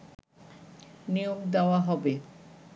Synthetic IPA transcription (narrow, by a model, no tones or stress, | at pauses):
nijoɡd̪eoaɦɔbe